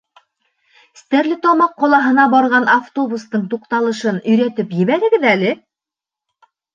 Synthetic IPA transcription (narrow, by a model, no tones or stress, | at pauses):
st̪æɾlɘt̪ɒmɑqːɒlˠɑɦɤ̆nɑbɒɾʁɑnaft̪o̞bust̪ɤɴt̪uqt̪ɑlˠɤ̆ʃɤnɵ̆jɾæt̪ɘpjɘ̆βæɾɘ̆ɡɘðælɘ